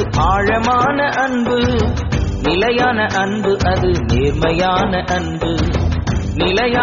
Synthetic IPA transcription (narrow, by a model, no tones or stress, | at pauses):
ʔaːɻɐmaːnɐʔɐɳbɯ | nɪlɐjaːnɐʔɐɳbɯʔɐðɯneːɾmɐjaːnɐʔɐɳbɯ | nɪlɐja